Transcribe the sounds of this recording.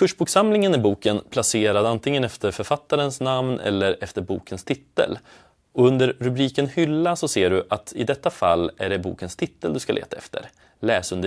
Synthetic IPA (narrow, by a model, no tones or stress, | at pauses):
kʰɵʂbuːksamlɪŋənæɾbuːkənpʰlaseːɾad̪ant̪ʰɪŋːənɛft̪əɾfœɾfat̪ːaɾənsnamnʔɛ̰lːəɾɛft̪əɾbṵːkʰənst̪ʰɪt̪ːə̰l | ɔɵnd̪əɾːɵbɾiːkənhʏlːasɔseːɖɵʔat̪ʰɪd̪ɛt̪ːafa̰lːæ̰ɖɛbṵːkənst̪ʰɪt̪ːəld̪ɵskalʔḛːt̪aɛ̰ft̪ʰə̰ɾ | lɛːsɵnd̪ə